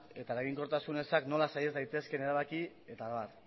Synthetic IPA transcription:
e̞t̪aeɾaɣiŋko̞ɾt̪asune̞sakno̞lasajezd̪ajt̪e̞ske̞ne̞ɾaβ̞aki | e̞t̪aβaɾ

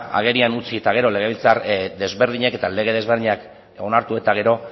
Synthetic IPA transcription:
a̰ɣ̞e̞ɾianut͡siet̪aɣ̞e̞ɾo̞le̞ɣe̞βilt͡saɾd̪e̞zβe̞ɾð̞iɲeke̞t̪ale̞ɣ̞e̞ð̞e̞zβɾðiɲak | eo̞naɾt̪ue̞t̪aɣ̞e̞ɾo̞

